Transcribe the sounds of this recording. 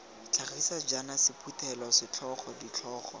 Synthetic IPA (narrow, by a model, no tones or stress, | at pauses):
t͡ɬʰaχisad͡ʒanasɪpʰutʰɛlɔsɪt͡ɬʰɔχɔdit͡ɬʰɔːχɔ̰